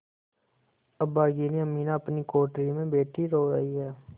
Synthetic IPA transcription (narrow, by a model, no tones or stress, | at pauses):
əbaːɡiːniəmiːnãːəpniːkoːʈɾiːmẽːbeːʈiːɾoːɾə̰iːɦɛː